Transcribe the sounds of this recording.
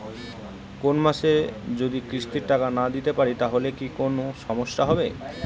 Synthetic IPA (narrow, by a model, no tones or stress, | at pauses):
konmaʃed͡ʑod̪ikɾiʃʈiɾʈakanad̪it̪epaɾit̪aɦolekikonoʃɔmoʃːaɦɔbḛ